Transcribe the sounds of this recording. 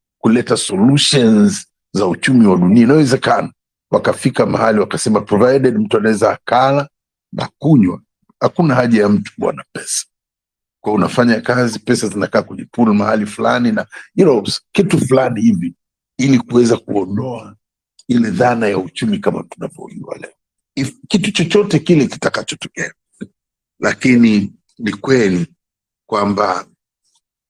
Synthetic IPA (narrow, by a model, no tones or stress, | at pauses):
kulɛtasɔluʃɔnz | zaut͡ʃumiwaɗuniainawɛzɛkana | wakafikamahaliwakasɛmapɾɔvajdɛdm̩tuanawɛzaːkala | na̰kuɲwa̰ | hakunahaʄajam̩tu̥a̰napɛsḁ | kwaunafaɲakazipɛsazinakaːkwɛɲɛfulmahalifula̰ninajunoskituflanihivi | ilikuwɛzakṵɔndɔa | ilɛðanajaut͡ʃumikama̰tuna̰vɔ̰ʄṵwa̰lɛ̰ɔ | ifkitut͡ʃɔt͡ʃɔtɛkilɛki̥takat͡ʃɔtɔ̥kɛa | lakini | nikwɛli | kwamba